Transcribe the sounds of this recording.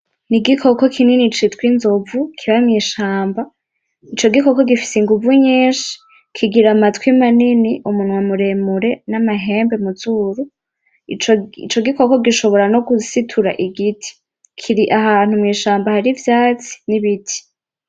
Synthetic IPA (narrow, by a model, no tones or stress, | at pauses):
niɡikʰo̞ko̞kʰininit͡ʃitwinzovukʰiβamŋiːʃaːmba | it͡ʃo̞ɡikoko̞ɡifi̥siŋɡuvuɲeːʃi̥ | kʰiɡiɾamatwimaniniʔumunwamuɾe̞muɾe̞namaɦe̞ːmbe̞muzuɾu | t͡ʃoit͡ʃo̞ɡiko̞ko̞ɡiʃo̞βo̞ɾano̞ɡusitʰuɾa̰ʔiɡitʰi̥ | kʰiɾiʔaɦaːn̥humŋiːʃaːmbahaɾivjaːt͡si̥niβitʰi̥